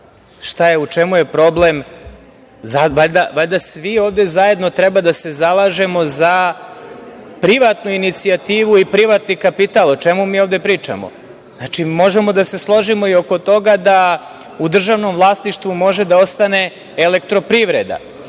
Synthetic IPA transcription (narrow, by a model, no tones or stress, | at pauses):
ʃt̪ajeut͡ʃemuje̞pɾo̞blem | zaʋaʎd̪aʋaʎʲd̪asʋioːʋd̪e̞zaje̞d̪not̪ɾebad̪ase̞zalaʒe̞mo̞za | pɾiʋat̪nuinit̪siat̪iːʋuipɾiʋat̪nikapit̪alˠot͡ʃe̞mumiːovd̪e̞pɾiːt͡ʃa̰mo̰ | znat͡ʃimo̞ʒe̞mo̞d̪ase̞slˠo̞ʒimo̞io̞ko̞t̪o̞ɡad̪a | ud̪r̩ʒaʋno̞mʋlˠast̪niʃt̪vʋumo̞ʒe̞d̪ao̞st̪ane̞ː | le̞kt̪ɾo̞pɾiʋɾed̪a̰